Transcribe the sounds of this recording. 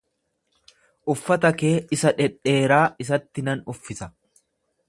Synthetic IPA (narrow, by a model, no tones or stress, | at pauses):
ʔʊfːɐt̪ɐke̞ːɪsɐᶑɛᶑe̞ːɾaːɪs̬ɐt̪ːɪnɐnʊfːɪsɐ